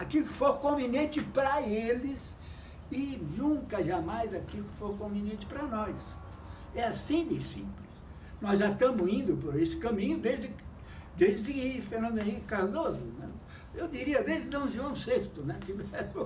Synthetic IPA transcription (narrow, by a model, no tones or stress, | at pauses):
akilʊkɪ̥foɾkõvinẽt͡ʃɪpɾɐelɪs | ɪnũkɐʒamajzakilʊkɪ̥foɾkõvinẽnt͡ʃɪ̥pɾɐnɔjs | ɛasĩd̪ɪsĩplɪs | nɔzʒat̪ɐ̃mʊzĩnd̪ʊpoɾesɪ̥kɐ̃mĩɲʊd̪ezd̪ɪ | d̪ezd̪ɪfeɾnɐ̃nd̪ẽɦhikʊkaɾd̪ozʊnɛ̰ | ewd̪iɾiɐd̪ezd̪ɪd̪ɐ̃w̃ʒuɐ̃w̃sest̪ʊnɛt̪ivɛɾõ